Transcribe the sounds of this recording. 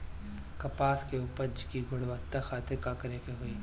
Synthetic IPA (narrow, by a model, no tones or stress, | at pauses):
kɐpaːskeuːpəɾd͡ʒkiɡʱʊɽʋət̪axaːt̪ɪɾkaːkɐɾekeɦoiː